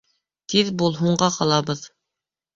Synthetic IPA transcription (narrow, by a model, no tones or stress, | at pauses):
t̪iðbulˠɦuɴɢɑqɑlˠɑbɤð